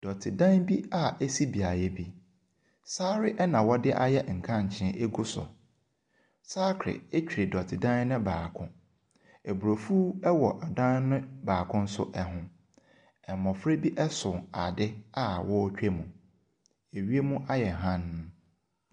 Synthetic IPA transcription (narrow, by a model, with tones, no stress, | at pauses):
d̥ɔ˨tʰɪ˨dã˦nbi˦a˦e˦si˦bi˨a˨jɛ˦bi˦ | saː˦ɾɪ˦ʔɛ˦nã˨wɔ˦dɪ˦ʔa˦jɛ˦ŋ̩˨kʰã˦˨ɲ̩˨t͡ɕʰɪ̃˨˦ʔe˦ɡu˦sɔ̰˨ | saː˦kʰɾɪ̰˨e˦t͡ɕᶣi˨ɾe˨dɔ˨tʰɪ˨dã˦n˦nʊ̃˦baː˨kʰʊ̃˦ | e˨bu˨ɾo˨fu˦ɛ˦wɔ˨ʔa˨dã˦n˦nʊ̃˦baː˨kʰʊ̃˦n̩˦sʊ̰˦ʔɛ˦ɦʊ̃˦ | ɛ˨mɔ̃˨fɾe˦bi˦ʔɛ˦sʊ̃˨a̰˨dɪ˦a˦wɔ˦t͡ɕᶣe˦mũ˨ | e˨ɥi˦e˦mũ˦ʔa˦jɛ˨ɦã˦ñː˦